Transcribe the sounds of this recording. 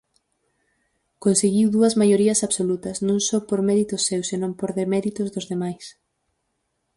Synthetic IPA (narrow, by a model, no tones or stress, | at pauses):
konseɣiwðuɐzmajoɾiɐsaβsolut̪ɐsnõŋsɔpoɾmɛɾit̪ʊsːewsenõmpoɾðemɛɾit̪ʊzðʊzðemajs